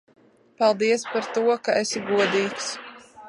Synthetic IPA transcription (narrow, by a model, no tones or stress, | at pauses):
palˠd̪iɛspaɾt̪uɔkaesiɡuɔd̪iːks